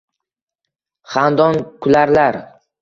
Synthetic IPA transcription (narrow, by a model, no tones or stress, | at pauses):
χand̪ɒnkʰʊlaɾlaɾ